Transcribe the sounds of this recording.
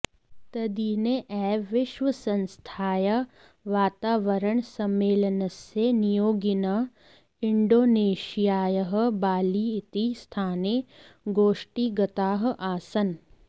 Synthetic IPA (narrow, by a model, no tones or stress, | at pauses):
t̪ɐd̪iːneʔɛːʋɪʃʋɐsɐ̃nst̪ʰaːjɐ | ʋaːt̪aːʋəɾəɳsɐmːeːlənɐsenijoːɡɪnɐ | ɪɳɖoːneːʃijaːjəɦə̆baːliːɪt̪ist̪ʰaːneɡoːʃʈiɡɐt̪aːɦ̆ʔaːsɐn